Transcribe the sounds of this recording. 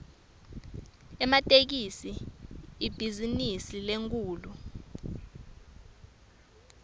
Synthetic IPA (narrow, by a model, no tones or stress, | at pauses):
ɛmatʼek̬isiib̥ʱizinisileŋk̬ʰʼuːlu